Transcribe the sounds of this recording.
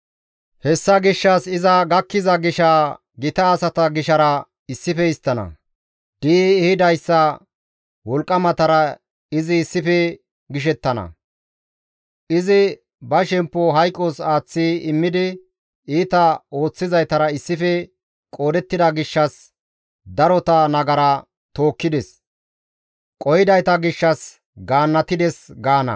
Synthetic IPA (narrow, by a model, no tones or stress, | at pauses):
hɛsːɐɡɪʃːɐsɪzɐɡɐkːɪzɐɡɪʃɐ | ɡɪt̪ɐːsɐt̪ɐɡɪʃɐɾɐ | ɪsːɪfɛɪst̪ːɐnɐ̰ | d̪̥iːhɪd̪ɐjsːɐ | wɔlkʼːɐmɐt̪ɐɾɐ | ɪzɪːsːɪfɛ | ɡɪʃ̬ɛt̪ːɐnɐ̰ | ɪzɪ | bɐʃɛmpːɔɦɐjkʼːosaːt͡sːiɪmːɪd̪ɪ | iːt̪ɐo̞ːt͡sːɪzɐjt̪ɐɾɐɪsːɪfɛ | kʼo̞ːd̪ɛt̪ːɪd̪ɐɡɪʃːɐs | d̪ɐɾɔt̪ɐnɐɡɐɾɐ | t̪o̞ːkːɪd̪ɛs | kʼɔjɪd̪ɐjt̪ɐɡɪʃːɐs | ɡaːnːɐt̪ɪd̪ɛsɡaːnɐ̰